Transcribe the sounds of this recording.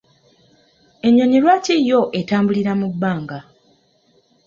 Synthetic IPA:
e̞ɲːoɲilwaːcijo̞ʔetaːmbuliɾamubːaːŋɡa

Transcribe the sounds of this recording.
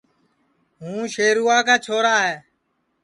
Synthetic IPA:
ɦũːʃeːɾuːaːkaːt͡ʃʰoːɾaːɦeː

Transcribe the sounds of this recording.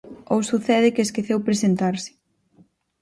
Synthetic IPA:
owsuθɛðɪkeeskeθewpɾesent̪aɾsɪ̥

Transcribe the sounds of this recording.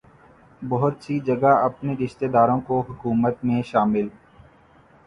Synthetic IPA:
bɔɦʊt̪sid͡ʒɐɡaɐpneɾɪʃt̪eːd̪aːɾõkoɦʊkuːmət̪mẽʃaːmɪl

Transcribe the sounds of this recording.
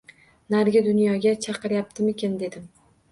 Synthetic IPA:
naɾɡʲɪd̪ʊnjɒɡʲat͡ʃʰɑqɨɾjap̚t̪ʰɪmekʲʰend̪e̞d̪ɪm

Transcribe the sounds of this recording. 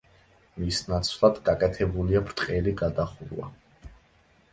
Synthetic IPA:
misnat̪sʰlˠad̪ɡakʼɛt̪ʰɛbuliabɾt̪ʼqʼɛliɡad̪aχuɾwa̰

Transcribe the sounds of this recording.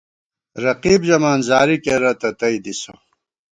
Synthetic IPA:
ɾɐqiːbd͡ʑɐmaːnzaːɾikeɾɐt̪ɐt̪ɐid̪iso̰

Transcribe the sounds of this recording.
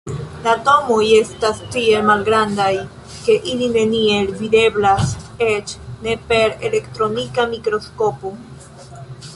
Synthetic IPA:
lato̞moje̞stastie̞lmalɡɾandaj | ke̞ʔiline̞nie̞lvide̞blase̞t͡ʃne̞pe̞ɾe̞̰le̞ktɾo̞nikamikɾo̞sko̞po̞

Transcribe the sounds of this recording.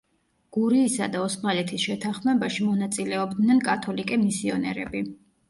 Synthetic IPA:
ɡ̥uɾiːsad̪aɔsmalɛt̪ʰisʃɛt̪ʰanχmɛbaʃimɔnat̪sʼilɛɔbd̪nɛnkʼat̪ʰɔlikʼɛmisiɔnɛ̰ɾɛ̰bi

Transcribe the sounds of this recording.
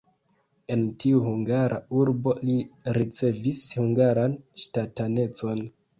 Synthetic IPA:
e̞ntiuhuŋɡaɾʔa̰uɾbo̞liɾit͡se̞vishuŋɡaɾanʃtatane̞t͡so̞n

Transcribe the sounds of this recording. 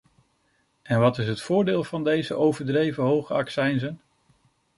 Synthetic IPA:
ɛnʋɑtɪsɦətfʊːɹdeːlˠvɑndejzəʔowvəɹdrejvəɦowχəɑksɛjnzən

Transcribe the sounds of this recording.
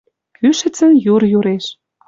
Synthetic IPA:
kʰyʃɘ̆t͡sə̆njurjuɾeʃ

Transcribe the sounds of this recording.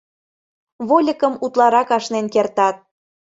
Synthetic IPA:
βolʲəkəmut̪lɑɾɑkɑʃnenkert̪ɑt̪̚

